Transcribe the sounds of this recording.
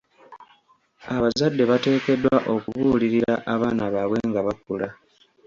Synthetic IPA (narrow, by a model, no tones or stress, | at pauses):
aβazadːe̞βate̞ːke̞dːwaʔo̞kuβuliɾiɾaʔaβaːnaβaβwe̞ŋɡaβakula